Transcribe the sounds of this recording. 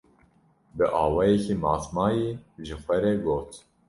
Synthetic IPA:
bɨʔɑːwɑːjɛkʰiːmɑːt̪mɑːjeʒɨxʷɛɾɛɡoːt̪

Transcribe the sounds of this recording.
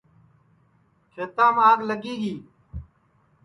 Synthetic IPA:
t͡ʃʰet̪aːmaːɡləɡiːɡiː

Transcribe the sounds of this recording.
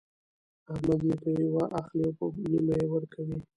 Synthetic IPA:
amad̪jepəjawaʔaxliopənimajewəɾkʰawi

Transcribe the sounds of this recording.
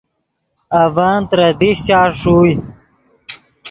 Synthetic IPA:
ɐvaːnt̪ɾɐd̪iɕt͡ɕaːʂuːj

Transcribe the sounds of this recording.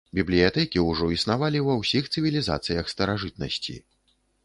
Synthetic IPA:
bʲiblʲijat̪ɛkʲiuʐɔisnavalʲiwɐwsʲixt̪sɨvʲilʲiza̰t̪sɨjɐxst̪ɐɾaʐɨt̪̚nɐ̰sʲt͡sʲḭ

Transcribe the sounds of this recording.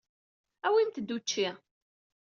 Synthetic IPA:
æwint̪əd̪ːut͡ʃːiʁ

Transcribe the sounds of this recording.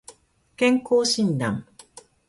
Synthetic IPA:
kẽŋkoːɕĩnd̪ã̰m

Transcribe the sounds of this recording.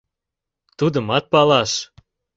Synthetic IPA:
t̪ud̪əmɑt̪̚pɑlɑʃ

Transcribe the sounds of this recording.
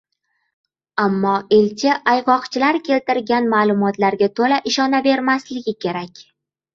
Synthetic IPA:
amːɒelt͡ʃʰɪʔajʁɒqt͡ʃʰɪlaɾkʲʰe̞lt̪ɪɾɡʲanmaːlˠʊmɒt̪laɾɡʲat̪ʰolaʔɪʃɒnabe̞ɾmaslɪɡʲɪkʲʰe̞ɾakʲ

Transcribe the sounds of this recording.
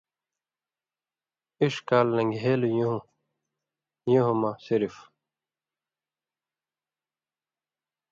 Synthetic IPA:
iʂkaːlːɐ̃ŋɡɦeːlujũɦũ | juɦũmasiɾif

